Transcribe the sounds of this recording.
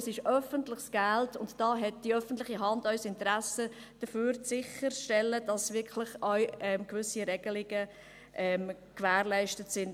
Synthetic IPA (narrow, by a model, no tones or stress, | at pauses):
sɪʃœfəntlɪχsɡ̥æltʊntd̥ɑːɦɛt̚d̥iœfən̩tlɪχiɦɑndœʏsɪntəɾæsə | d̥əføːɾsɪχərʃtɛlːəd̥ɑsʋɪkʰlɪχɔʏɛmkʋʏsiɾɛɡ̥əlɪɡə | ʔɛm | kʋæːɾlæɪʃtətsɪn